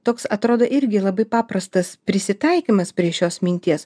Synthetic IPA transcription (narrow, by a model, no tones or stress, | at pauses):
t̪oːksɐt̪ɾoːd̪oːʔɪɾʲɡʲɪlˠɐbɐɪpɑːpɾɐst̪ɐspʲɾʲɪsʲɪt̪ɐɪkʲimɐspʲɾʲiɛʃʲoːsmʲɪnʲt̪ʲiɛs